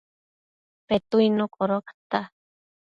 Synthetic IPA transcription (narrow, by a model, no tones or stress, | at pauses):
pet̪uinokʼoɾokḁt̪a